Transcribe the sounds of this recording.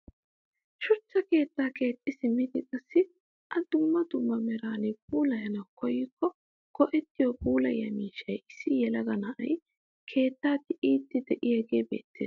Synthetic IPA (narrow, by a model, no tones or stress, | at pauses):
ʃʊt͡ʃːɐke̞ːt̪ːaːke̞ːt̪ʼːɪsɪmɪd̪ɪt͡sʼɐsːɪ | ʔɐd̪ʊmːɐd̪ʊmːɐmɛɾaːnɪp̚uːlɐhɛnɐkɔjːɪkːɔ | kɔʔɛt̪ːɪjoːpuːlɐ̰jɐ̰miːʃːɐjʔɪsːɪjɛlɐɡɐnɐʔɐ̰j | kʰe̞ːt̪ːaːt̪ːɪʔiːt̪ːɪd̪ɛʔɪhɛɡe̞ːbe̞̰ːt̪ːeːs